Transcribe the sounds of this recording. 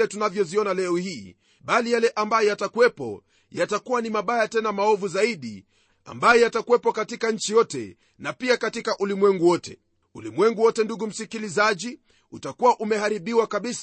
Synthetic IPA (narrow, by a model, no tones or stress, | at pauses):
ɛtunavjɔziɔnalɛɔhiː | ɓalijalɛʔambajɔjatakuwɛpɔ̰ | jatakuwanimaɓajatɛnamaɔvuzaiɗḭ | a̰mbajɔjatakuwɛpɔkatikaɲ̩t͡ʃijɔtɛ̰ | napiakatikaʔulimwɛŋɡuwɔtɛ̰ | ulimwɛŋɡuwɔtɛnduɡum̩sikilizaʄi | utakuwaʔumɛɦaɾiɓiwakaɓis